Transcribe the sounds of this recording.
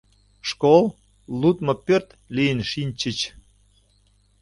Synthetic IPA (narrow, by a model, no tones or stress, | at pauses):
ʃkol | lut̪mɤpørt̪ | lijənʃinʲt͡ɕət͡ɕ